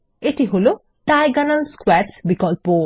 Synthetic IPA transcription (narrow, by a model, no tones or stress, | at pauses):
eʈiɦulu | ʈajɡɐnɐlskwɛɾsbikɔlpoː